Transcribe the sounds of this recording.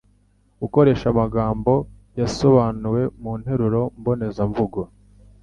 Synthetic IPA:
uko̞ɾe̞ːʃamaɡaːmbo̞ | jaso̞βaːnuwe̞muːn̥he̞ɾuɾo̞mbo̞ne̞zaɱvuɡo

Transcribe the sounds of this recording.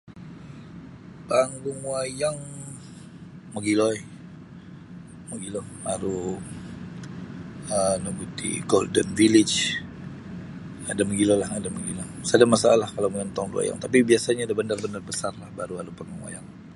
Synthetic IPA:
paŋɡuŋwajaŋ | məɡilɔi | məɡilɔmaɾu | ənuɡut̪ḭɡo̰ldənvilit͡ʃ | adaməɡilɔlahadaməɡilɔsadamasaalahkalamuant̪ɔŋdṵa̰ja̰ŋt̪apibiasaɲaːdabənarbənarbəsarlahbaɾuaɾupaŋɡuŋwa̰jaŋ

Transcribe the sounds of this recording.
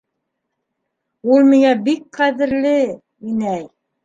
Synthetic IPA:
ulˠmɤ̆jɑbik̚qæðɘ̆ɾlɘ | inæj

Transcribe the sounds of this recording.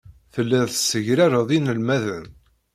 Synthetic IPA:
θəlːæðsəʝɾaɾɑðˤinəlmæðən

